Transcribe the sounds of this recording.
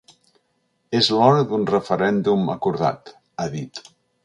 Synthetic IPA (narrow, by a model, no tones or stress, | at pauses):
ezlɔɾəðunrəfəɾɛnd̪uməkuɾða̰t̪ | əðit̪